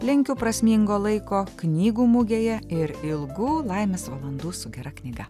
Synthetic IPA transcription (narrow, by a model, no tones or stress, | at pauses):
lʲɪŋʲkʲʊpɾɐsʲmʲiːŋɡoːlˠɐɪkoːknʲiːɡuːmʊɡʲeːjɛɪɾɪlˠɡuːlˠɐɪmʲeːsʋɐlˠɐnd̪uːsʊɡʲɛɾɐknʲɪɡɐ